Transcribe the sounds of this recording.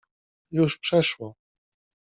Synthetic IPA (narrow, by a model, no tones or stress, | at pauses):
juʂpʂɛʂwɔ